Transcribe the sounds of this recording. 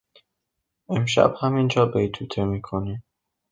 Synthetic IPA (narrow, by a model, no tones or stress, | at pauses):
emʃæ̰b̥hæmind͡ʒɒːbejt̪ʰuːt̪ʰemiːkʰoni